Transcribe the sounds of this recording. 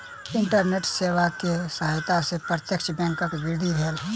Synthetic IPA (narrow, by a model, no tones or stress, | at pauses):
ɪɳʈəɾneːʈseːʋakesəɦajt̪asepɾət̪jəkʃʰbɛ̃ːŋkəkɡɪɾd̪ʱibʱeːl